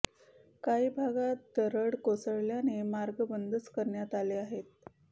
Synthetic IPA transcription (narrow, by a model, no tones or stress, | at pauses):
kaiːbʱaɡat̪̚d̪əɾəɽkosəɭljanemaɾɡəbənd̪ət͡skəɾɳjat̪aleaɦet̪̚